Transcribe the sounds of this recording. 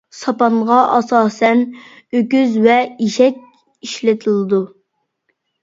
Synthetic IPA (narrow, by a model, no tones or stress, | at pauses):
sɑpɑnʁɑʔɑsɑːsɛn | økʲyzvɛiʃɛk̚ʲ | iʃlɪt̪ʰɪlˠɨd̪u